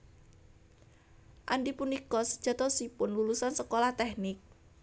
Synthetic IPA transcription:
ʔanɖipunikɔsə̥d̥ʒ̥ä̤t̪ɔsipʊnlulusansəkolaht̪ɛhnɪk̚

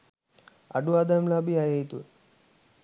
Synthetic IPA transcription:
a̰ɖuaːd̪amlabiajeit̪ue

